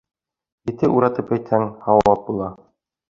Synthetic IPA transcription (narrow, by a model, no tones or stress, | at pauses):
jɘ̆t̪ɘʔuɾɑt̪ɤpæjt̪hæŋhɑwɑlˠɑp̚bulˠɑ